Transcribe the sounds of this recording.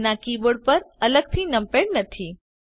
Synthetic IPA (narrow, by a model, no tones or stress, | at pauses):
nakiboɽpəɾələɡ̚t̪ʰinəmpeɽnət̪ʰi